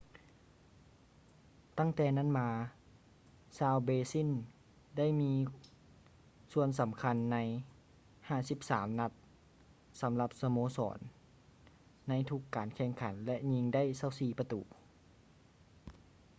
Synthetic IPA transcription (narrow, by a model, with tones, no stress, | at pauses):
t̪a˥˩˨ŋt̪ɛː˧na˥˨nmaː˧ | saː˧wbeː˧si˥˨n | da˥˩˨jmiː˧ | su˧əns̬a˨˦mkʰa˧nːa˧˥j | haː˥˩si˧˦p̚saː˩˦mna˧˥t̪̚ | sa˨˦mla˧p̚sa˧moː˧˦sɔ̰ː˩˦n | a˧˥jt̪ʰu˧˥kːaː˨˩nkʰɛː˧˩ŋkʰa˩˦nlɛ˧ʔɲi˧ŋda˥˨jsa˧˩˨wsiː˧˩pa˧t̪ṵː˩